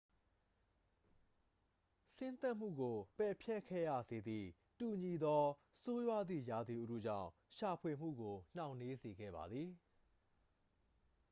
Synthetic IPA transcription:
sɪ̃˦nt̪ɛ˦ʔm̥ṵ˦˨ɡo˨pɛ˨pʰjɛ˦ʔkʰːɛ̰˦˨ja̰˦˨ze˨d̪ðḭ˦˨ | tu˨ɲi˨d̪ɔ˦ | so˦jwa˦d̪ðḭ˦˨ja˨d̪i˨ʔṵ˦dṵ˦˨d͡ʑã̰˦˨ʊ̃ʃa˨pʰwe˨m̥ṵ˦˨ɡo˨n̥ã˨ʊ̃nːe˦ze˨ɡɛ̰˦˨ba˨d̪ði˨

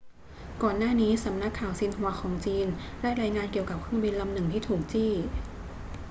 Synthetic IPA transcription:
kɔː˨˩nːaː˥˩niː˦˥sa˩˦mna˦˥kʰːaː˨˩wsi˧nɦu˨˩˦ɐxʰɔː˩˦ŋt͡ɕiː˧nɾa˥˩jɾaː˧jŋaː˧nki˨˩əwka˨˩p̚kʰɯ˥˩˨ŋbi˧nla˧mnɯ˨˩ŋt̪ʰiː˥˩t̪ʰuː˨˩k̚t͡ɕiː˥˩

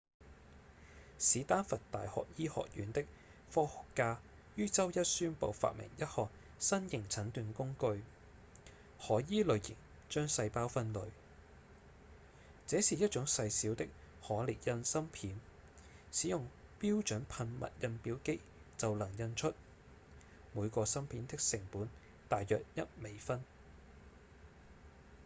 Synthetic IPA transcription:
siː˨˥t̪aː˥nfɐ˨tt̪a̰ː˨jhɔ̰ː˨k̚jiː˥hɔ̰ː˨k̚jyː˨˥nt̪ɪ˥k̚ | fɔː˥hʊ˨kːaː˧ | jyː˥t͡sɐ˥wjɐ˥t̚syː˥npo̰˨˧wfa̰˨t̚mɪ̰˨˩ŋjɐ˥t̚hɔː˨˩k̚ | sɐ˥njɪ˨˩ŋt͡sʰɐ˨˥nt̪yː˨˧nkʊ˥ŋkɵ˧ɥ | hɔː˨˩jiː˥lɵ˨ɥjɪ̰˨˩ŋ | t͡ʃœː˥ŋsɐ˧jpaː˥wfɐ˧nlɵ̰˨ɥ | t͡sɛː˨˥siː˨jɐ˥t̚t͡ʃʊ˨˥ŋsɐ˧jsiː˨˥wt̪ɪ˥k̚ | hɔː˨˥li˨˩t̚jɐ˧nsɐ˥mpʰiː˨˥n | siː˨˥jʊ˨ŋpiː˥wt͡ʃɵ˨˥npʰɐ˧nmɐ̰˨t̚jɐ˧npiː˨˥wke˥ | t͡sɐ˨wlɐ˨˩ŋjɐ˧nt͡ʃʰɵ˥t̚ | muː˨˧jkɔː˧sɐ˥mpʰiː˨˥nt̪ɪ˥k̚sɪ˨˩ŋpuː˨˥n | t̪aː˨jːœː˨k̚jɐ˥t̚me˨˧jfɐ˥n

